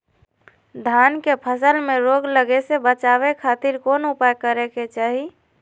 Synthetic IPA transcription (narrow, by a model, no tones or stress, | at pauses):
d̪ʱankepʰəsəlmeɾoːɡləɡesebət͡ʃaːbekʰaːt̪iɾkoːnupajkəɾeket͡ʃaːɦi